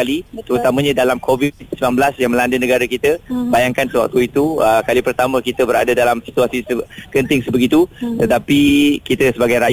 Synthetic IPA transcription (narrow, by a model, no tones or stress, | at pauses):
alit̪əɾut̪amə̃ɲãdalamkʰovit̪̚səmanbəlasjaŋmə̃landənəɡaɾəkit̪əbajaŋkansəwak̚t̪uit̪uəkalipərt̪amə̃kit̪əbəɾa̰dadalamsi̥t̪uasisəkənt̪ɪŋsəbəɡit̪ut̪ət̪apikit̪əsəbaɡajɾa